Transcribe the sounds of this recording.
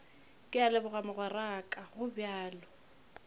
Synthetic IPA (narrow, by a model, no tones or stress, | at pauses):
kʼɪalɛbʊɣamʊɣwɛrakʼaɣʊbjaːlɔ